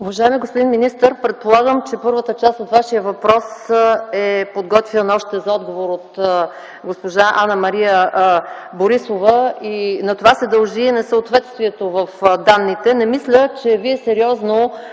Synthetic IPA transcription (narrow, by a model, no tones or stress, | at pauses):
uvɐʒaɛmiɛɡospod̪inminist̪əɾpɾɛt̪̚polˠaɡəmt͡ʃɛpɤɾvət̪ət͡ʃast̪ot̪vaʃijəvɐpɾɔsɛpod̪ɡɔt̪vinɐɔʃt̪ɛzɐɔd̪ɡovoɾot̪ | ɡospoʒaʔanəmɐɾijə | boɾisovəinɐt̪ovasɛd̪ɐlˠʒinɛsəot̪vɛt̪st̪viɛt̪ovəfd̪anːit̪ɛnɛmislʲət͡ʃɛviɛsɛɾiɔzno